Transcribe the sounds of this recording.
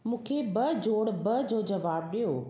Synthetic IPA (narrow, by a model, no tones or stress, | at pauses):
mũːkʰebɐd͡ʑoːɽbɐd͡ʑoːd͡ʑɐʋaːb̚ɗijoː